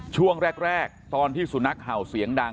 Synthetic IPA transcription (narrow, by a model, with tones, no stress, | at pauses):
t͡ɕʰu˥˩əŋɾɛː˥˩k̚ɾɛː˥˩k̚t̪ɔː˧nt̪ʰiː˥˩su˨˩˦na˦˥k̚haː˨˩wsi˩˦əŋda˧